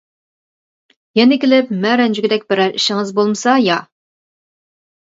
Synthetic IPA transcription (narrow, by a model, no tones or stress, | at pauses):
jɛnɪkʲɪlɪpmɛɾɛnd͡ʒyɡʲɪd̪ɛk̚ʲbɪɾɛɾiʃɪŋɨzbolˠmɨsɑjɑ